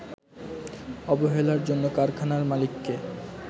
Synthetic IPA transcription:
ɔboɦelaɾd͡ʑonːokaɾkʰanaɾmalikːe

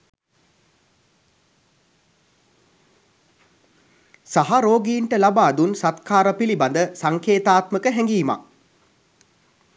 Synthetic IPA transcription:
saɦaɾoːɡiːɳʈəlabaːd̪unsat̪kʰaːɾəpiliband̪əsaŋkʰeːt̪aːt̪məkəɦɛŋɡiːma̰

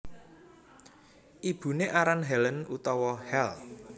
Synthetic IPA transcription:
ʔib̥ṳneʔaɾanɦɛlənut̪ɔwɔhɛl

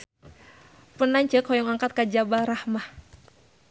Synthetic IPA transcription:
pənaɲt͡ʃəkʰɔjɔŋaŋkat̪̚kad͡ʒabaɾahmah

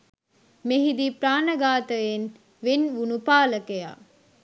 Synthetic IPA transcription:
meɦid̪ipɾaːnəɡaːt̪əjen | ʋenʋunupaːləkeja̰ː

